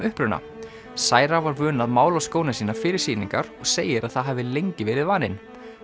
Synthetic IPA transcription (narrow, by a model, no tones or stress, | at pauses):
ʏhpɾʏna̰ | saːjɾavaɾvœːnaðmaːwlaskoːwnɪsiːnafɪːɾɪɾ̥siːnḭŋkaɾɔɣseːjɪɾaðθaðɦaːvɪlejɲcɪvɛːɾɪðvaːnɪn